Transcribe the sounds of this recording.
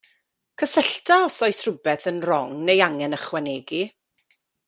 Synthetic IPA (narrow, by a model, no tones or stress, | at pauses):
kʰəsəɬtʰaɔsɔjsrʊbɛθənrɔŋnejaŋɛnəχwɛneːɡi